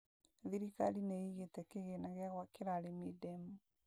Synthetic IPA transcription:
ðiɾikalineiɣetɛkeɣenaɣaɣwakeɾaɾemedɛmu

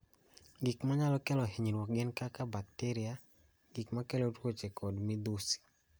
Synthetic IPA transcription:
ɡikmaɲalɔkɛlɔɦeɲinwɔkɡɪnkakabak̚teɾia | ɡikmakɛlotwot͡ʃekʰɔdmid̪usi̥

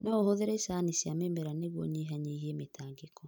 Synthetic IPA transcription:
nɔohoðeɾesanisiamemeɾaneɣwɔɲeɦaɲeiɦiemetʰaːŋɡekɔ

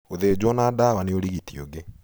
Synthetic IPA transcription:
oðed͡ʑwɔnaːdawaneoɾiɣitioɡe

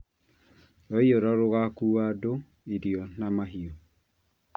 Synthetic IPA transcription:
ɔiɔɾaɾoɣakuado | eɾiɔnamaɦiɔ

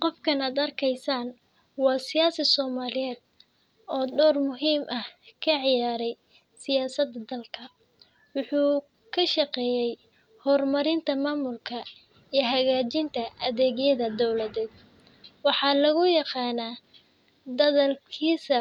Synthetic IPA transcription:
qɔfkʰɐnaːd̪ɐrkʰɛjsaːn | wɑːsɪjaːsɪsɔːmaːlɪjɛːd̪̚ | ɔːɖɔːrmʊɦiːmʔɐhkʰɐʕɪjaːɾɛj | sɪjaːsɐd̪ɐd̪ɐlkʰɐ | wʊħuː | kʰɐʃɐqɛːjɛj | hɔːrmɐɾɪnt̪ʰɐmaːmʊlkʰɐ | ijɦɐɣaːt͡ʃɪnt̪ʰɐʔɐðɛːɣjɐðɐd̪ɔwlɐðɛːd̪̚ | wɑħɑːlɐɣʊjɑqɑːnaː | d̪ɐðɐlkʰiːsɐ

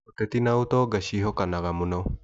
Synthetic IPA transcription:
ot̪et̪inaut̪oɡaɕiɦokanaɡamuno

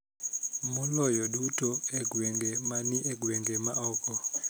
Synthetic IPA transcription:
mulɔjɔɗutʰʼɔɛɡwɛŋɡɛmaniʔɛɡwɛŋɡɛmaʔɔːkɔ

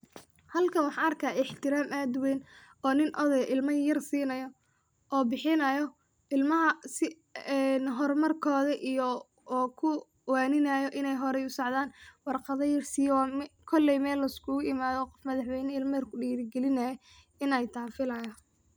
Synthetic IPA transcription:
hɐlkʰɐnwɑħɑːɐrkʰaːɪħt̪ʰɪɾaːmaːd̪wɛjnɔːnɪnʔɔðɛjʔɪlmɐjɐrsiːnɐjɔ | ʔɔːbɪħɪnɐjɔ | ʔɪlmɐɦɐsɪ | ɛnɦɔrmɐrkʰɔːðɐʔijɔː | kʰʊ | waːnɪnajɔʔɪnɛjɦɔɾɛjʊsɑʕðaːnwɑrqɑðɐjɐrsiːjwkʰɔlːɛjmɛːlːɐɪskʰuːɪmaːðɔqɔfmɐðɑħwɛjnɛɪlmɐjɐrkʰʊɖiːɾɪɡɛlɪnɐjɔ | ɪnɛjt̪ʰaːfɪlɐjɐ

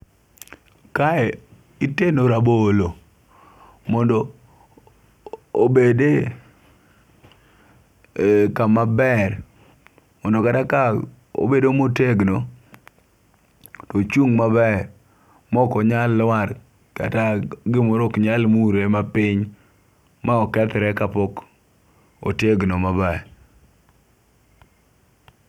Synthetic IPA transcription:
kaɛ | ɪtenoɾabolo | mɔndɔ | bede | kamabɛr | mɔndɔkataka | o̰bedomoteɡno | tɔt͡ʃuŋmabɛr | mɔkɔɲalːwar | ka̰taɡɪmoɾokɲalmuɾemapɪɲ | maɔkɛt̪ɾɛkapɔk | o̰teɡnomabaɛ

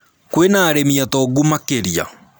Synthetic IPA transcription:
kwenaːɾemiatɔɡumakeɾia̰

